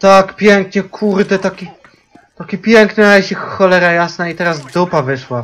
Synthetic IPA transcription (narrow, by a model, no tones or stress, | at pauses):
t̪akpʲjɛŋkɲɛkʰuɾɘt̪ɛt̪akʲi | t̪akʲipʲjɛŋknɘnaɛɕixxɔlɛɾajasnait̪ɛɾazd̪upavɘʂwa